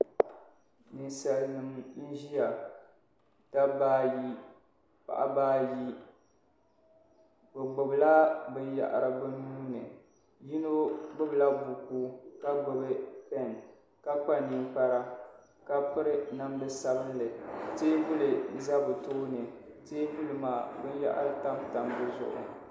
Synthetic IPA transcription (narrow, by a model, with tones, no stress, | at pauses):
nɨ˨nsa˨lnɨ˨mn̩˦ʒi˦ja˨ | ta˦baː˦ji˦ | pa̰˨ʔa̰˦baː˦ji˦ | bɨ˨ɡ͡bʊ˨bla˦bɨ˨ja̰˨ʔa̰˨ɾa˨bɨ˦nuː˦nɨ˨ | ji˦no˦ɡ͡bʊ˦bla˦bu˨kuː˦ka˦ɡ͡bʊ˨bɨ˦pɛ˦˨n | ka˦k͡pa˦ni˦mk͡pa˦ɾa˦ | ka˦pɨ˦ɾɨ˦na˦mlɨ˦sa˦bɨ˦nlɨ˨teː˦bʊ˦lɨ˨za˦bɨ˨to˦nɨ˨ | teː˦bu˦lɨ˨maː˨bɨ˦ja̰˦ʔa̰˦ɾta˦mta˨mbɨ˦zʊ̰˨ʔʊ̰˨